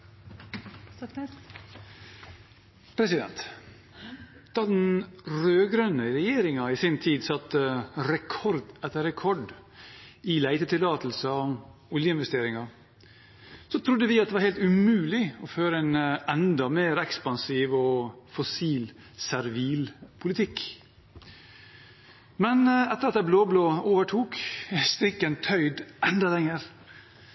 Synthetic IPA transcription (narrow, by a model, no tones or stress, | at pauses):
pʰɾɛsɪd̪ɛ̰nt̪ | d̪̥ɑːd̪ɛnɾøːɡɾœnəɾɛjeːɾɪŋɑɪsɪnt̪ʰiːd̪sɑt̪ːəɾɛkʰɔɾd̪ɛt̪ːəɾɛkʰɔɖ | ɪlæɪt̪ət̪ʰɪlːɑːt̪əl̩səʊljəɪnʋɛst̪eːɾɪŋɑɾ | sɔt̪ʰɾʊd̪ːəʋɪɑt̪̚d̪ɛʋɑɾhæɪlt̪ʉmʉːlɪɔføːɾəɛnɛnd̪ɑmeːɾɛkspɑnsiːʋɔfɔsiːl | sæɾʋiːlpʰʊlɪt̪ʰɪkː | mɛnɛt̪ːəɾɑt̪d̪æbloːbloːoːʋəʈʰuːkst̪ɾɪkːənt̪ʰœʏd̪ʔɛnd̪ɑlɛŋəɾ